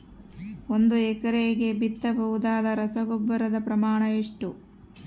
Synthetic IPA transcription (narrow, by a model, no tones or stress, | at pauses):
ond̪uɛkɐɾeːɡe̞bit̪ːɐbɐɦud̪aːd̪ɐɾɐsɐɡobːɐɾɐd̪ɐpɾɐmaːɳɐeʂʈu